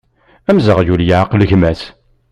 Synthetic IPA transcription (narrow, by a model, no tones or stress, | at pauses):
æmzəʁjuljaʕqlçmæθ